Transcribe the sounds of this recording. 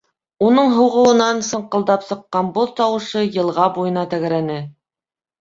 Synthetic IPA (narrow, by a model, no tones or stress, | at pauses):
unɤɴɦɤ̆wʁɤ̆wɤ̆nɑnsɤ̆ɴqɤ̆lˠd̪ɑpsɤ̆qːɑnbuðt̪ɑwɤ̆ʃɤjɤ̆lˠʁɑbujɤ̆nɑt̪æɣɘ̆ɾænɘ